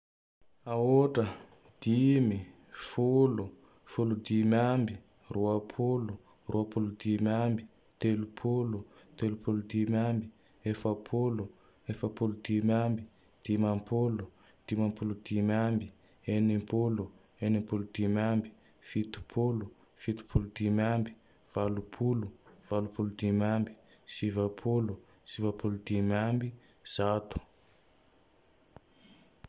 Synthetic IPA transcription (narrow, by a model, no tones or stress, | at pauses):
aoʈ͡ʂə | d̪̥imi | fulu | fulud̪imambi | ruapʰulu | ruapulud̪imambi | t̪elupʰulut̪elupulud̪imambi | efapʰulu | efəpulud̪imambi | d̪̥imampʰulu | d̪̥imampulud̪̥imambi | enipulu | enimpulud̪̥imambi̥ | fit̪u̥pʰulu | fit̪u̥pʰulud̪̥imambi̥ | v̥alupʰuluv̥alupulud̪imambi̥ | sivapʰulu | sivapʰulud̪̥imambi | z̥at̪u̥